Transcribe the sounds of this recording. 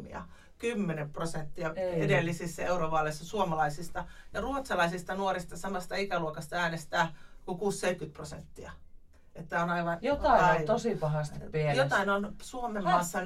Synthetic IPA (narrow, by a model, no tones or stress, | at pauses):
ḭɑ̰ | kymːenemprosent̪ːiɑedelːisisːæeuroʋɑlːoisːɑsuomɑlɑisist̪ɑjɑruot̪sɑlɑisist̪ɑnuoɾist̪ɑsɑmɑst̪ɑikæluokɑst̪ɑæːnest̪æːkukuːsseikkyt̪̚prosḛnt̪ːiɑ | et̪ːæonɑiʋɑnjot̪ɑˑiɑit̪osipɑɦɑˑst̪piæjot̪ɑinonsuomemɑːsːɑ